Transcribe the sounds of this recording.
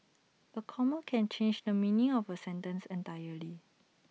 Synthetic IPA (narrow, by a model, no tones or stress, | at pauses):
əkʰɔməkʰɛ̃nt͡ʃẽnd͡ʒdəmĩnĩŋɔfəsɛ̃ntə̃nsɛ̃ntajəli